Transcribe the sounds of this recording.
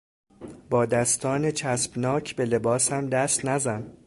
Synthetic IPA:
bɒːd̪æst̪ʰɒːnet͡ʃʰæsb̥nɒːcʰbe̞le̞bɒːsæmd̪æst̪næzæn

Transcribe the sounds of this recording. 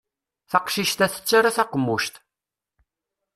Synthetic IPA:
θɑqʃiʃt̪æθə̥t͡sːaɾaθɑqəmːuʃt̪

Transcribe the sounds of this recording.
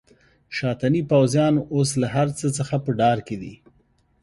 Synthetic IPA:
ʃɑt̪anipawzjɑnos̬laɦaɾt͡sət͡səxapəɖɑɾked̪ḭ

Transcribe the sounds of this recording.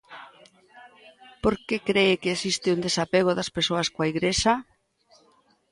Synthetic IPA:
poɾkekɾeɪkeːsist̪ɪund̪esapeɣoðɐspeɾsoɐskwaiɣɾesa

